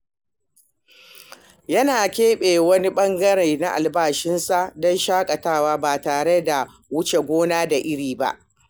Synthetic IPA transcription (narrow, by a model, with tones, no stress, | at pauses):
jɐ˦naː˨kʲeː˦ɓeː˨wɐ˦ni˦ɓɐ˦ŋɡɐ˦ɽe˨na˦ʔa̰˨lbaː˦˨ʃɪ˦nsa˨dɔ˦nʃaː˦kʼɐ˨taː˦waː˦baː˨taː˨ɽe˦da˨ | wʊ˦t͡ʃe˨ɡʷoː˦naː˦da˨ʔɪ˦ɽiː˨ba̰˦ʔ